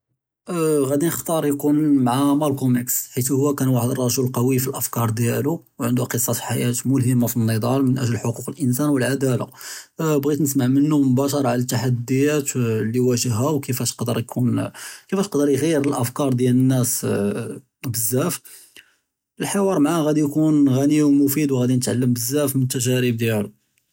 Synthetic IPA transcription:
ɣæd̪inəxt̪ˤɑɾˤjkunmʕamælkumiksħit̪hʊwːækænwaħəd̪ərˤːɑʒulqɑwifilʔəfkɑɾˤd̪jælu | wʕənd̪uqəsˤːɑfi̥ħajæt̪mʊlɦəmːafinːəd̪ˤɑlmənʔæʒləħoquqəlʔənsænwəlʕad̪æla̰bɣit̪nəsmaʕmənːumʊbæʃɑɾˤɑʕalæt̪ːaħad̪ːəjæt̪liwæʒəɦːæwkəfæʃqd̪əɾˤjkʰunkəfæʃqd̪əɾjɣijəɾəlʔəfkɑɾˤd̪jælənːæs | bəzːæf | əlħewɑɾˤmʕaɣæd̪ijkunɣæniwmʊfid̪wɣæd̪inət̪ʕalːəmbəzːæfmənət̪ːæʒæɾəb̚d̪jælu

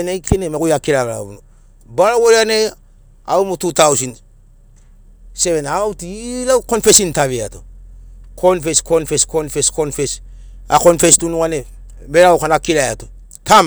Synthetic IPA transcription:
enaikʰenemekujakilala̰bunu | baɾawoɾane | a̰umututausint | sevenawtilakonfesintaveato | kʰonfeskʰonfeskonfeskonfes | a̰konfestunukane | beɾawkanakilajato | tʰam

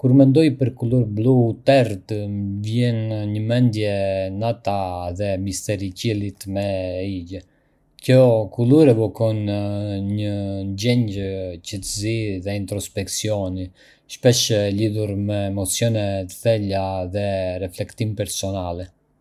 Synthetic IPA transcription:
kuɾmɛnd̪ɔjpəɾkuluɾblut̪ɛɾt̪mvjɛnɲəmɛnd̪jɛnat̪aðɛmist̪ɛɾicilit̪mɛiɟə | cɔkulˠuɾɛvɔkɔnɲənɟɛɲɟəcət̪əziðɛint̪ɾɔspɛksiɔni | ʃpɛʃliðuɾmɛːmɔt͡sjɔnɛt̪θɛlaðɛrɛflɛkt̪impɛɾsɔnalɛ

